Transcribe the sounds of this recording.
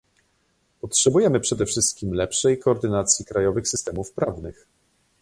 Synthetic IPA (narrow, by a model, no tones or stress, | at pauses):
pɔtʂɛbujɛmɘpʂɛd̪ɛfʂɘst̪̚kʲimlɛpʂɛjkɔːɾd̪ɘnat̪sʲjikɾajɔvɘxsɘst̪ɛmufpɾavnɘx